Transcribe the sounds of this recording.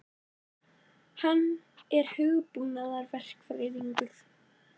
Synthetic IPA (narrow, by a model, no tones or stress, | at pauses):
hanː | ɛɾ̥hʏɣʏpunaðaɾvɛr̥kfɾɪːðiŋkʏθ